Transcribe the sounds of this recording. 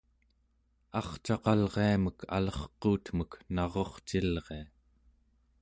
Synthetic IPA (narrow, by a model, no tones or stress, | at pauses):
ɑχt͡ʃɑqɑlʁeaməkʰa̰lʌχquːt̪məknɑʁo̞χt͡ʃilʁe̞a